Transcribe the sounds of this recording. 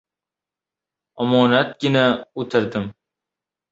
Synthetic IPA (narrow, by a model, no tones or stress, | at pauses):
amɒːnat̪̚ɡʲɪnaot̪ʰɪɾd̪ɪm